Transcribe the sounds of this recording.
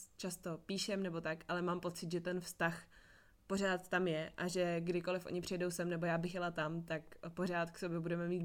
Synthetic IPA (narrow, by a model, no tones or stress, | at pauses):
t͡ʃast̪o̞piːʃɛmnɛbo̞t̪akʔalɛmaːmpo̞t͡sɪt̪ʒɛt̪ɛnfst̪ax | po̞r̝aːt̪t̪amjɛʔaʒɛɡdɪko̞lɪfʔo̰ɲɪpr̝̥ɪjɛdo̞wsɛmnɛbo̞jaːbɪxjɛlat̪amt̪akpo̞r̝aːt̪kso̞bjɛbudɛmɛmiːt̪̚